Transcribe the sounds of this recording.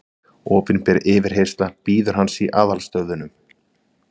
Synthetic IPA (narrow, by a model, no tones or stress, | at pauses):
ɔːpɪnpjɛɾɪːvɪɾ̥ɦejst̪lapiːðʏɾ̥ɦansiʔaːðalst̪œɣðʏnʏm